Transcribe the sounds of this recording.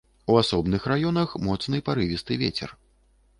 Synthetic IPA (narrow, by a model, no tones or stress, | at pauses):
uasɔbnɨxrajɔnɐxmɔt̪snɨpaɾɨvʲist̪ɨvʲḛt͡sʲɛ̰r